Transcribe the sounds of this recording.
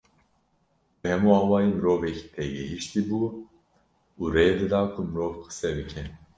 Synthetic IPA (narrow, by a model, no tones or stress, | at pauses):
bɛhɛmuɑːwɑːjiːmɨɾoːvɛcʰi̥t̪ʰɛɡɛɦiʃt̪ibuː | uːɾejd̪ɨd̪ɑːkʰumɨɾoːvqʰɨ̥sɛbɨkʰɛn